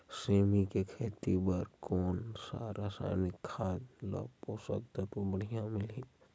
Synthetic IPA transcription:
seːmikekʰeːt̪ibəɾkoːnsa̰ːɾaːsa̰ːnɪkʰːaːd͡ʒla̰posək̚d̪ət̪obəɽ̤ijãmɪlɦi

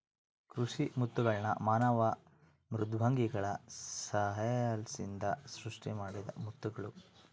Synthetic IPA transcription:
kɾuʂimut̪ːuɡɐɭnɐ̰maːnɐʋɐ | mɾud̪ʱbʱaːŋɡiɡɐɭɐsɐɦɐjlsind̪ɐsɾuʂʈimaːɽid̪ɐ̰mut̪ːuɡɐɭu

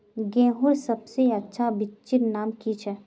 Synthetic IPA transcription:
ɡɛ̃ːɦʊɾsɐbseɐtːʃʰabɪt͡ʃɪɾnaːmkit͡ʃʰɛ

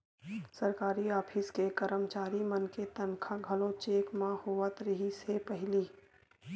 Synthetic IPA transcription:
səɾkaːɾiaːpʰɪskekəɾəmt͡ʃaːɾimənket̪ənkʰaɡʱəlot͡ʃeːkmãhoːʋət̪ɾəɦisepəɦɪliː

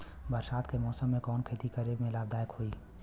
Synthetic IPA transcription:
bəɾʃaːt̪kemɔːsəmːẽkɔːnkʰeːt̪ikəɾiːbmẽlaːbd̪aːjkhoːiː

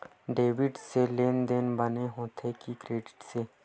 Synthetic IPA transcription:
ɖeːʋɪɖseleːnd̪eːnbəneɦõːt̪ʰekikɾeːɖɪ̥ʈseː

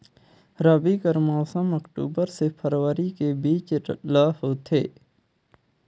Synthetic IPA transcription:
ɾaːbikəɾmɔːsəmɐkʈṵːbəɾsepʰəɾwəɾikebiːt͡ʃlaːfoːt̪ʰeː

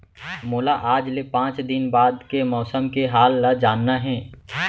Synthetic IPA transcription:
mʊːlaʔaːd͡ʒlepãːt͡ʃd̪ɪnbaːd̪kemɔːsəmkeɦaːlːad͡ʒaːnːaɦɛ̃ː

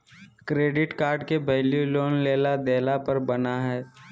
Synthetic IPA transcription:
kɾeːɖɪʈkaːɾɖkebʱɐɪljuloːnleːlad̪eːlapəɾbɐnaɦɛː

